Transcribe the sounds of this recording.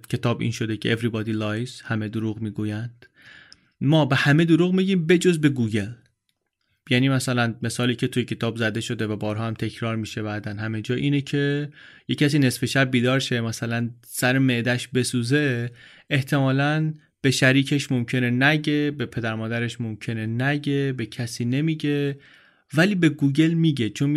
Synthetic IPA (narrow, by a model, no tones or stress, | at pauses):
cʰe̞t̪ʰɒːbʔḭnʃo̞d̪ecʰeʔevɾibɒːd̪iːlɒjshæme̞d̪oɾuːɣmiːɡuːjænd̪̥ | mɒːbe̞hæme̞d̪oɾuɣmiɟiːmbe̞d͡ʒo̞zbe̞ɡuːɟe̞l | jæniːmæsælænme̞sɒːliːcʰe̞t̪ʰujecʰe̞t̪ʰɒːbzæd̪e̞ʃo̞d̪e̞væbɒːɾɦɒːhæmt̪ʰe̞cʰɾɒːɾmiːʃe̞bæːd̪ænhæme̞d͡ʒɒːʔiːnecʰe̞jecʰæs̬iːne̞sfe̞ʃæb̚ːiːd̪ɒːɾʃe̞mæsælæn | sæɾeme̞ʔd̪æʃbe̞suːze̞ | eht̪ʰe̞mɒːlæn | b̥e̞ʃæɾiːcʰe̞ʃmomcʰe̞nenæɟe̞be̞pʰe̞d̪æɾmɒːd̪æɾe̞ʃmomcʰe̞nenæɟe̞be̞cʰæsiːne̞miːɟe̞ | væliːbe̞ɡuːɟe̞lmiːɟet͡ʃʰon